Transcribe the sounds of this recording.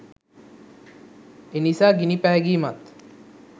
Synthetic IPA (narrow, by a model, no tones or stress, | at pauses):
enisaːɡinipæɦeɡiːmɐt̪